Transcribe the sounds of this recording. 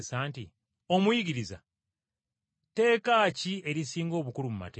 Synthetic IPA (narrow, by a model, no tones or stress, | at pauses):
saːnti | o̞mwiɡiɾiza̰ | te̞ːkaːcie̞ɾisiːŋɡo̞ːβukulumuma̰teː